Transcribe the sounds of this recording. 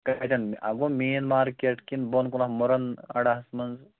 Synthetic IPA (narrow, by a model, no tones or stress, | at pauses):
kɐt̪ɐnɐ̰ɡumiːnmaːɾkeʈkinbonkulɐhmoɾɐnɐ̰ɽɐɦɐsmɐnz